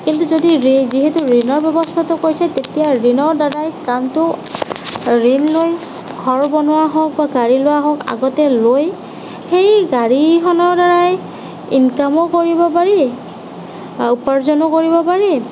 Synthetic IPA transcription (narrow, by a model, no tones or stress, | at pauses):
kintuzodiɹiziɦetuɹinɔɹbɛbɔstʰatɔkojsatetijaɹinɔɹdaɹajkantʊ | ɹinloj | ɡʱɔɹbɔnʊwaɦɔk̚baɡaɹilowaɦɔka̰ɡɔtɛloj | xejɡaɹixɔnɔɹdaɹaj | inkamɔkoɹibɔpaɹi | upaɹzɔnɔkoɹibɔpaɹi